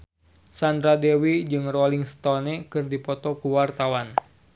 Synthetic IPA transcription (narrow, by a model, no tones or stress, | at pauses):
sand̪ɾadewid͡ʒɨŋrɔliŋst̪ɔnɛkɨrdipɔt̪ɔkuwart̪awan